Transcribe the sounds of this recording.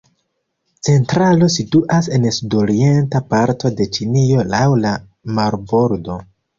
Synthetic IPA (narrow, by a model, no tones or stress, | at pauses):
t͡se̞ntɾalo̞situʔase̞nsudo̞ɾie̞ntapaɾto̞de̞t͡ʃinio̞lawla | maɾbo̞ɾdo̞